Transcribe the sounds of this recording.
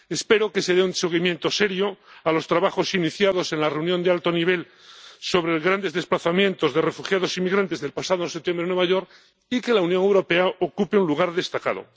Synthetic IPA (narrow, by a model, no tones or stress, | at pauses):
e̞spe̞ɾo̞ke̞se̞ðeunseɣ̞imje̞nt̪o̞se̞ɾjoalo̞st̪ɾaβaxo̞siniθjaðo̞se̞nlareunjo̞nd̪ealt̪o̞niβ̞e̞l | so̞βɾe̞ɣɾand̪e̞zðe̞splaθamjẽ̞nt̪o̞zðe̞re̞fuxjaðo̞simːiɣɾant̪e̞zðe̞lpasaðosep̚t̪je̞mbɾenwe̞βaʝo̞ɾ | ike̞launjoŋe̞wɾo̞pe̞aokupeunluɣ̞aɾðe̞st̪aka̰ðo̞̰